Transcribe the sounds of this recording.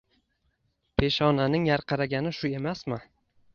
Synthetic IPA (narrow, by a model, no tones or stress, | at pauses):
pʰe̞ʃɒnanɪŋjaɾqʰɑɾaɡʲanɪʃʊe̞masmɪ